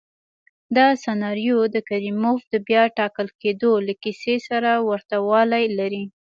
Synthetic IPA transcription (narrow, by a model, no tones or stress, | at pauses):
d̪ɑsanɑɾjod̪əkaɾimofd̪əbjɑʈɑkəlked̪olakisesaɾawaɾt̪awɑlajlaɾi